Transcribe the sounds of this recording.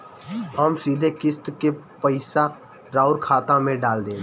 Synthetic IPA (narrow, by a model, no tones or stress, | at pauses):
ɦəmsiːd̪ʱekɪst̪ke | pəɪsa | ɾaːʊɾkʰaːt̪ãmẽɖaːld̪ẽː